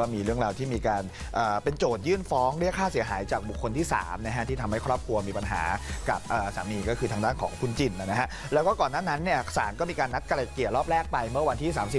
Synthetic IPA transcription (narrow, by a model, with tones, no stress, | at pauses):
ɔː˥˩miː˧ɾɯ˥˩əŋɾaː˧wt̪ʰiː˥˩miː˧kaː˧n | ʔɤː˨˩pe˧nt͡ɕoː˨˩t̪̚jɯː˥˩nfɔː˦˥ŋɾəkʰːaː˥˩si˨˩˦ɐɦaː˩˦jt͡ɕaː˨˩k̚bu˨˩kʰːo˧nt̪ʰiː˥˩sa̰ː˩˦mna˦˥kʰa˦˥t̪ʰiː˥˩t̪ʰa˧mha˥˩jkʰɾɔː˥˩p̚kʰɾu˧ɐmiː˧pa˧nɦa̰ː˩˦ka˨˩p̚ʔəː˨˩sa̰ː˩˦miː˧kɔː˥˩kʰɯ˧t̪ʰaː˧ŋdaː˥˩nkʰɔ̰ː˩˦ŋkʰu˧nt͡ɕi˧˩nʔa˨˩na˦kʰa˦˥ʔlɛː˦˥wkɔː˥˩kɔː˨˩nːaː˥˩na˦˥nːi˥˩ɐsaː˩˦nkɔː˥˩miː˧kaː˧nːa˦˥t̪̚ka˧ɾa˨˩kːi˨˩t̪̚ɾɔː˥˩p̚ɾɛː˥˩k̚pa˧jmɯ˥˩ɐwa˧nt̪ʰiː˥˩saː˩˦msi˨˩